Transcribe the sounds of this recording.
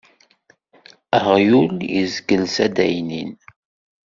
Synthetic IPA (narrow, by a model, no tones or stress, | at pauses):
əhjuljə̰zɡəlsæd̪æjnin